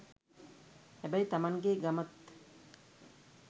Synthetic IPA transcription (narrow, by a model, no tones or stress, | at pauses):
hæbəjt̪amaŋɡeɡamɐt̪